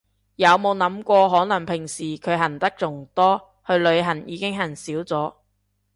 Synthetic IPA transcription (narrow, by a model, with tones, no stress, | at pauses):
jɐ˨˧wmo˨˧wnɐ˨˥mkʷɔː˧ɦɔː˨˥nɐ˨˩ŋpʰɪ˨˩ŋsiː˨˩kʰɵ˨˧ɥɦɐ˨˩nt̪ɐ˥k̚t͡sʊ˨˩ŋt̪ɔː˥ | hɵ˧ɥlɵ˨˧ɥɦɐ˨˩njiː˨˧kɪ˥ŋɦɐ˨˩nsiː˨˥wt͡sɔː˨˥